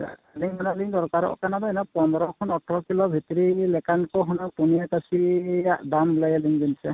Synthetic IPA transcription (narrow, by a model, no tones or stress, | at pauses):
liŋmanaliŋd̪ɔɾkaɾɔ̰ɔ̰kanabajnɔpɔnd̪ɔɾɔkʰɔnɔʈʰɾɔkilɔbʱit̪ɔɾilɛkankɔɦɔnɔk̚puniakasidamblajaliŋɡinsɛ